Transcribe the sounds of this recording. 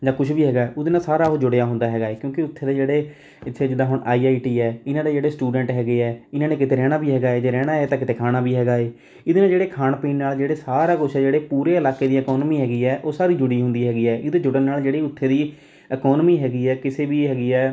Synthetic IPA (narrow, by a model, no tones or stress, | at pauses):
d͡ʒãːkʊt͡ʃʰbiːɦɛːɡaːɛːʊd̪eːnaːsaːɾaːɦoːd͡ʒʊɽejaːɦʊ̃nd̪aːɦɛːɡaːeːkjõːkɪʊt̪ʰːeːd̪eːd͡ʒeːɽeː | ɪt̪ʰːeːd͡ʒɪd̪aːɦʊɳaːiːaːiʈiːɛːɪnãːd̪eːd͡ʒeːɽeːsʈuːɖəɳʈɦɛːɡeːɛːɪnãːneːkɪt̪eːɾɛːɽ̃aːbiːɦɛːɡaːeːd͡ʒeːɾɛːɽaːeːt̪ãːkɪt̪eːkʰaːnaːbiːɦɛːɡaːeː | ɪd̪eːnaːd͡ʒeːɽeːkʰaːnpĩːnnaːld͡ʒeːɽeːsaːɾaːkʊt͡ʃʰɛd͡ʒeːɽeːpuːɾeːəlaːkeːd̪iːɛkɔːnmiːɦɛːɡiːɛːʔoːsaːɾiːd͡ʒʊɽiːɦʊ̃nd̪iːɦɛːɡiːɛːʔɪd̪ẽːd͡ʒʊɽənnaːld͡ʒeːɽiːʊt̪ʰːeːd̪iː | əkɔːnmiːɦɛːɡiːɛːkɪseːbiːɦɛːɡiːɛː